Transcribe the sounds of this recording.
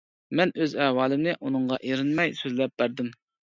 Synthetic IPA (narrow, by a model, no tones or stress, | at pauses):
mɛnøzɛhwɑːlɪmnɪʔunɨŋʁɑʔeɾɪnmɛjsøzlɛp̚b̥æɾd̪ɪm